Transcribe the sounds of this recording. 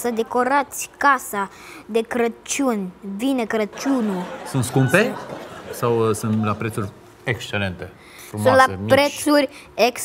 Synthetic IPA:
səd̪e̞ko̞ɾat̪sʲkasa | d̪e̞kɾət͡ʃunʲvinəkɾət͡ʃunusunt̪skumpe̞sawsunlapɾet̪suɾʲ | ekst͡ʃelent̪e̞ | fɾusmũnlapɾet̪suɾʲ | eks

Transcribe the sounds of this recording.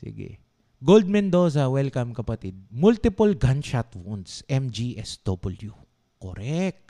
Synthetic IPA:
sɪ̰ɡɛ̰ | ɡold̪̚mɛnd̪oːs̬ɐwɛlkɐmkɐpɐt̪id̪̚mult̪ɪpolɡant͡ʃat̪wund̪sɛmd͡ʒiʔɛsd̪̥obɪlju | ko̰ɾɛk̚t̪

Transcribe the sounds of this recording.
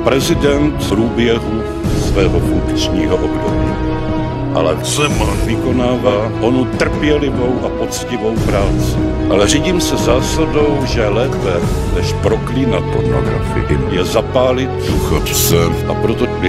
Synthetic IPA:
pɾɛzɪdɛnt̪pɾuːbjɛɦu | svɛːɦofuŋkt͡ʃɲiːɦoʔobdobḭː | ʔa̰lɛ̰sɛmvɪko̞naːva | ʔo̞nut̪r̩pjɛlɪvo̞wʔapo̞t͡scɪvo̞wpɾaːt͡sɪ | ʔalɛriːɟiːmsɛzaːsado̞wʒɛlɛːpɛ | nɛʃpɾo̞klinapo̰ɾno̰ɡɾa̰fɪ̰ɪ̰jɛzapaːlɪt̪̚suxaft͡sɛʔapɾot̪oɪ

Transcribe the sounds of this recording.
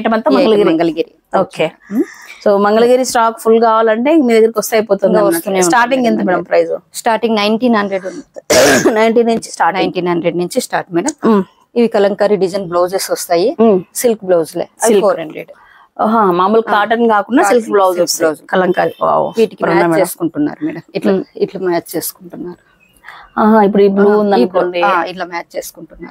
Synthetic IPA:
ʈɐmɐnt̪ɐmɐŋɡɐlɐɡiːmɾɐŋɡɐlɐɡiːɾi | oːkeːsoːmɐŋɡɐɭɐɡiːɾisʈaːkpʰulkaːʋaːlɐɳʈe̞ːkmiːd̪ɐɡːɐɾikʲɔst̪aːjpoːt̪und̪iʋɐst̪unesʈaːɾʈiŋɡent̪̬ɐmɐɽɐmpɾɐjzusʈaːɾʈiŋɡnɐjɳʈiːnɦɐnɖɾeɖ | nɐjɳʈiːnuɲt͡ʃi̥sʈaːnɐjɳʈiːnɦɐnɖɾeɖnuɲt͡ʃisʈaːɾʈmiːɖɐm | iʋikɐlɐŋkaːɾiɖid͡ʒɐnbloːd͡ʒesɔst̪aːjisilkblowzlḛːɐlfoːɾeɳɾḛɖ | ɦãːmaːmulkaːʈɐɾnkaːkunːasilkblowd͡ʒesbloːd͡ʒlkɐlɐŋkaːɾia̰ːṵʋiːʈikipɾɐt͡ʃeɐːsu̥kuɳʈunːa̰ːɾumiːɽɐmiʈlɐiʈlɐmaːt͡ʃt͡ʃe̞ːsu̥kuɳʈunːaːɾu | aːɦip̬ːuɽibluːund̪ɐnkoːɳɖiaiʈlaːmaːt͡ʃt͡ʃe̞ːsu̥kuɳʈunːa̰ːɾ

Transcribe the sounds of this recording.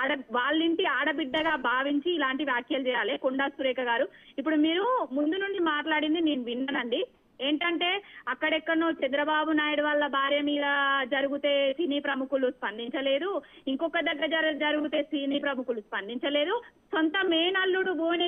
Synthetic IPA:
aːɽɐʋaːɭːiɳʈiaːɽɐbiɖːɐɡaːbʱaːʋiɲt͡ʃiːlaːɳʈiʋjaːkjɐlut͡ʃɛːjaːleːkuɳɖasuɾɛːkɐɡaːɾuipːuɽumiːɾumund̪unuɳt͡ʃimaːʈlaːɽind̪ineːnuʋinːɐnɐɳɖi | eːɳʈɐɳʈe̞ːɐkːɐɽɛkːɐɽɐnut͡ʃɛnd̪ɾɐbaːbunaːjuɽuʋɐlːɐbʱaːɾjɐmiːd̪ɐd͡ʒɐɾuɡut̪e̞ːsiniːpɾɐmukuluspɐnd̪iɲt͡ʃɐle̞ːd̪uiŋkɔkːɐd̪ɐɡːɐɾɐd͡ʒɐɾd͡ʒɐɾuɡut̪e̞ːsiniːpɾɐmukuluspɐnd̪iɲt͡ʃɐle̞ːd̪usont̪ɐmeːnɐlːuɽubʱuːne

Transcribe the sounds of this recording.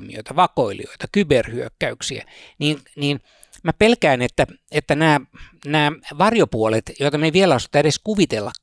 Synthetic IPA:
mḭo̰it̪ɑʋɑkoilḭo̰it̪ɑkyberhyøkːæyksiæ̰niːnniːn | mæpelkæinet̪ːæet̪ːænæːnæːʋɑrjopuolet̪joit̪ɑneʋielæosɑ̥t̪ːɑeɾeskuʋit̪elːɑk

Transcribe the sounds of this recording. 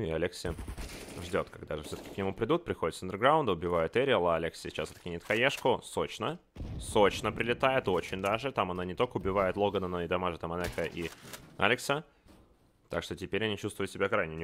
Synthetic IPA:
ɪɐlʲeksʲɪʐdʲo̞t̪kaɡ̚d̪aʐɨfsʲot̪ə̥kʲɪknʲɪmupɾʲɪd̪ut̪̚pɾʲɪxo̞dʲɪt̪sənd̪ʲɪrɡɾaʊnd̪əʊbʲɪvajʊt̪ɛɾʲɪəlˠəalʲeksʲɪsʲɪt͡ɕasɐt̪kʲɪnʲɪt̪xɐjʲeʂkʊso̞t͡ɕnəso̞t͡ɕnəpɾʲɪlʲɪt̪ajɪt̪o̞t͡ɕɪnʲd̪aʐɨt̪amɐnanʲɪt̪o̞lʲkəʊbʲɪvajɪt̪lˠo̞ɡənənoɪd̪ɐmaʐət̪əmɐnɛxəʔia̰lʲɪksə | t̪a̰kʂt̪o̞tʲɪpʲeɾʲɐnʲit͡ɕust̪vʊjʊt̪sʲɪbʲakɾajnʲɪnʲɪ

